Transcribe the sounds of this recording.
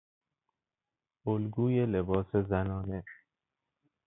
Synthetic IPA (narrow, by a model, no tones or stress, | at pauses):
olɡuːjelebɒːsezænɒːne